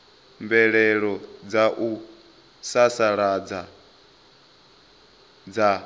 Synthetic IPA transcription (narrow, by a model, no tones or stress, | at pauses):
mbɛɺɛɺɔd͡zaʔu | sasaɺad͡za | d͡za